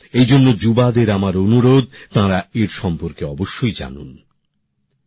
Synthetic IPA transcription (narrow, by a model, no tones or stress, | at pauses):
ejd͡ʑonːod͡ʑubad̪eɾamaɾonuɾod̪̚t̪ãɾaeɾʃɔmpoɾkeɔboʃːojd͡ʑa̰nṵn